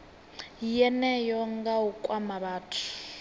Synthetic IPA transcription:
jɛnɛjɔŋɡaukʼwamaβaːtʰu̥

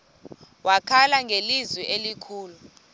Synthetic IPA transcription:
wʔakʰalaŋʱelizwiʔelikʰuːlu

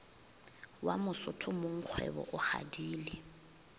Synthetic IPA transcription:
wamʊsʊtʰʊmʊŋ̩q͡χʰwɛ̰bɔ̰ʔʊχa̰diːlɪ

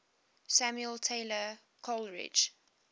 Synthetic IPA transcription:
sæmjuəltʰeɪlə | kʰɔlɹɪ̰d͡ʒ

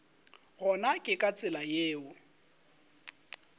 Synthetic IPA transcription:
ɣɔnakʼɪkʼat͡sʼɪlajeːʊ

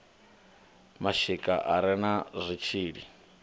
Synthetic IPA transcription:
maʃikʼaʔaɾɛnaʐʷit͡ʃʰiːɺi

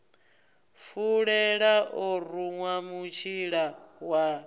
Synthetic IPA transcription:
fuɺɛɺaʔɔɾuŋwamut͡ʃʰiɺawa

